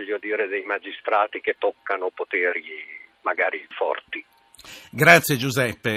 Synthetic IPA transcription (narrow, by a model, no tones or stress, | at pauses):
ʎːjod̪iːɾed̪ejmad͡ʒist̪ɾaːt̪ik̟et̪ːɔkːanopot̪eːɾimaɡaːɾifɔ̰rt̪i | ɡɾat̪sːjed͡ʒuzɛpːe